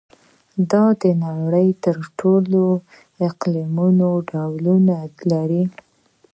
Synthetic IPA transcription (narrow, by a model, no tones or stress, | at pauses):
d̪ɑd̪ənɑɽəjt̪əɾʈʰolo | ɪqlimunoɖawlunalaɾi